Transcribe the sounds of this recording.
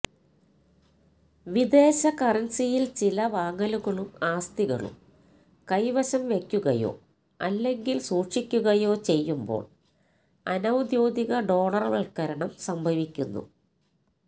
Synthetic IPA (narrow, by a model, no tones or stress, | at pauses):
ʋid̪e̞ːɕɐkɐrɐnsijilt͡ɕilɐʋaːŋɡɐluɣɐɭumaːst̪iɣɐ̰ɭṵm | kɐjʋɐɕɐmʋe̞kʲːuɣɐjo̞̰ː | ɐ̰lːe̞ŋɡilsuːʈʂikʲːuɣɐjo̞ːt͡ɕe̞jːumbo̞̰ːɭ | ɐnɐwd̪joːd̪iɣɐɖo̞ːɭɐrʋɐɭkɐɾɐɳɐmsɐmbʱɐʋikʲːunːṵ